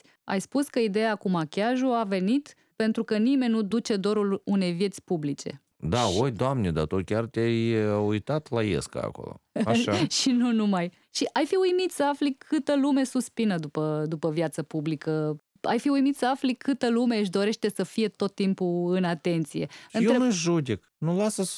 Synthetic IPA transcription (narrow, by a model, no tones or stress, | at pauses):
a̰jspuskəid̪e̞jakumakʲaʒuave̞nit̪ | pe̞nt̪ɾukənime̞nʲnud̪ut͡ʃe̞d̪o̞ɾulune̞jvje̞t̪sʲpublit͡ʃe̞̰ | d̪aojd̪oamned̪a̰t̪ukʲart̪ʲjajujt̪at̪lajḛska̰ːko̰lo̰aʃaʃinunumaj | ʃiʔajfiujmit̪səaflikʰɨt̪əlume̞suspinəd̪upəd̪upəvjat̪səpublikə | a̰jfiujmit̪səaflikʰɨt̪əlume̞ɨʃ̬d̪o̞ɾe̞ʃt̪e̞səfije̞t̪o̞t̪ːimpuɨnat̪e̞nt̪sije̞̰ɨnjeɾenuʒud̪ek | nulasəs